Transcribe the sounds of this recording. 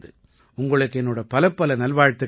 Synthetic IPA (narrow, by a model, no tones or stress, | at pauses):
ðɯ̰ | ʊŋɡɐɭɯkːɯɛnːoːɽɐpɐlɐpːɐlɐnɐlʋaːɻt̪ːɯ